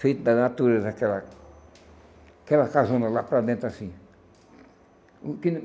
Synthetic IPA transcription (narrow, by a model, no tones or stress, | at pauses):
fejt̪d̪anat̪uɾezakela | kelakazõnd̪alapɾad̪ẽnt̪asĩ | kin